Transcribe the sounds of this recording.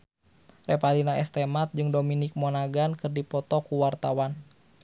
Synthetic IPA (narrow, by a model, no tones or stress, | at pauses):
rɛpalinaɛst̪ɛmat̪̚d͡ʒɨŋdominik̚mɔnaɡankɨrdipɔt̪ɔkuwart̪awan